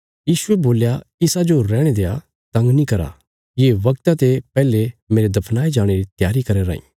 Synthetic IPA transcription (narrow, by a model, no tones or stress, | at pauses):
jiːsʊɛboːljaɪsad͡ʒoɾɛːɽ̃ed̪ea | t̪ɐ̃ŋɡnĩkɐɾa̰ | jeːʋɐkt̪at̪epɛːlemeːɾed̪ɐpʰnaːed͡ʒaːɽ̃eɾit̪jaːɾikɐɾeɾa̰ːḭ̃ː